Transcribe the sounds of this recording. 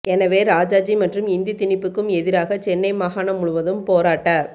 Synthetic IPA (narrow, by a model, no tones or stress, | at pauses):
ʔɛnɐʋeːɾaːd͡ʒaːd͡ʒimɐʈrɯmɪnd̪it̪ɪnɪpːɯkːɯmɛðɪɾaːɣɐt͡ʃɛnːɐɪmaːɣaːnɐmʊɻʊʋɐðɯmpoːɾaːʈːaː